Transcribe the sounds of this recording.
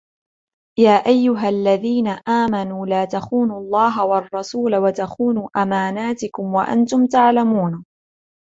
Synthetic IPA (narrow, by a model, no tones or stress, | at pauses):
jaːʔajːʊɦalːaðiːnaʔaːmanuːlaːt̪axuːnʊlˤːɑːɦawɑrˤːɑsuːlawat̪axuːnuːʔamaːnaːt̪ɪkʊmwa̰ʔa̰nt̪ʊmt̪aʕlamuːn